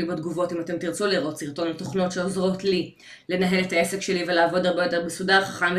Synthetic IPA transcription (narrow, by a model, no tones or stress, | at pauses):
ibed̪ɡuvo̞timate̞mtiʁt͡suliʁo̞tsiʁt̪o̞nlato̞χno̞tʃeozʁo̞tli | le̞naɦe̞le̞taesekʃeliveleːvo̞daʁbe̞jo̞t̪ebesudaʁχḁχam